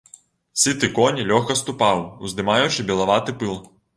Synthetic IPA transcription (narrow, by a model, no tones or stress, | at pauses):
sʲit̪ɨkɔnʲilʲɔxkɐst̪upawuzd̪ɨmajut͡ʂɨbʲɛlˠaʋat̪ɨpɨlˠ